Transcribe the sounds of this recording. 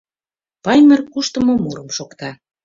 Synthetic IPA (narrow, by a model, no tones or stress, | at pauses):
pɑjmə̆rkuʃt̪əmŏmuɾəmʃokt̪ɑ